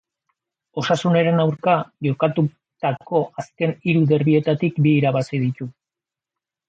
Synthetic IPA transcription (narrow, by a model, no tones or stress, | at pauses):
o̞sasune̞ɾe̞nawɾkaʝo̞kat̪u | t̪ako̞ʔaske̞niɾuðe̞ɾβie̞t̪at̪ikbiːɾaβasið̞it̪u